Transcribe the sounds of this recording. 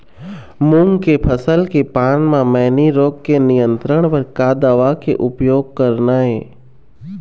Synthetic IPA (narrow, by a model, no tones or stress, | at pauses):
mũŋɡkepʰəsəlkepaːnmãmɛniɾoːɡ̚kenɪjə̃nt̪ɾəɽ̃pəɾkaːd̪aʋakḛʔʊpjoːɡ̚kəɾnaːɦeː